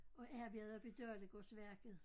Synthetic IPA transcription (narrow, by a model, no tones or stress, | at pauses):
ɒ̽æɐʋihæðˠɒb̥ed̥øɐ̰d̥eɡ̥ɔsʋæɐ̰ɡ̥ð̩ˠ